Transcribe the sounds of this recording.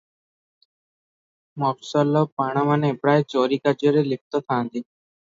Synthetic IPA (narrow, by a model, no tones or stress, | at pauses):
mɔːksaːloːpaːɳ̃amanẽːpɽaːet͡ʃoːɾiːkad͡ʒoːɾelɪk̚ʰt̪oːt̪ʰãːnd̪iː